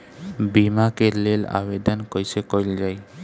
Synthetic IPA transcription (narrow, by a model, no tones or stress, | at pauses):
bimakeɾlela̰bed̪ɔnkojsekojld͡ʒaj